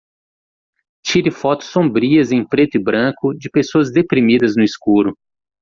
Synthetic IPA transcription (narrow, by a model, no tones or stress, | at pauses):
t͡ʃiɾɪfɔt̪ʊ̥sːõbɾiɐzẽj̃pɾet̪ʊɪbɾɐ̃kʊd͡ʒɪpesoɐzd̪epɾimid̪ɐznʊiskuɾʊ